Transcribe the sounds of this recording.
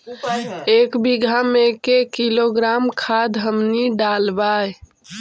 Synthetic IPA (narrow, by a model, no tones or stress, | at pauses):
ekbiɡʱamekekiloɡɾamkʰad̪ʱɦəmniɖalbaj